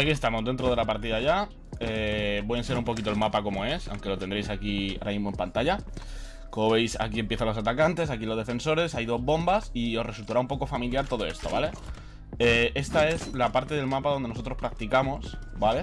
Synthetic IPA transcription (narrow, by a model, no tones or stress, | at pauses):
akiest̪amo̞zðe̞nt̪ɾo̞ð̞e̞lapaɾt̪iðaʝa | ebweenseɾumpo̞kit̪o̞e̞lmapako̞mo̞e̞sa̰wŋke̞lot̪e̞nd̪ɾe̞jsakia̰ɾamizmo̞e̞mpant̪aʝa | komoβe̞jsa̰kie̞mpje̞θanlosat̪akant̪e̞sak̬ilo̞zðe̞fe̞nso̞ɾe̞sajðo̞zβo̞mbasio̞sre̞sult̪aɾaumpo̞ko̞familjaɾt̪o̞ð̞o̞e̞̰st̪o̞βale̞ | ee̞st̪ae̞slapaɾt̪e̞ðe̞lmapaðo̞nd̪eno̞so̞t̪ɾo̞spɾak̚t̪ikamo̞sbale̞